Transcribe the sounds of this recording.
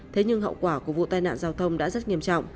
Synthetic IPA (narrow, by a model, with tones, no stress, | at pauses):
t̪ʰe˨˦ɲɨ˧ŋɦə̰˧˨wkwaː˧˩ku˧˩əvṵ˧˨t̪aː˧jna̰ː˧˨nzaː˧wt̪ʰə˧wŋ͡mɗa̰ː˧˥zə˦˥t̚ŋi˧əmt͡ɕɔ̰˧˨wŋ͡m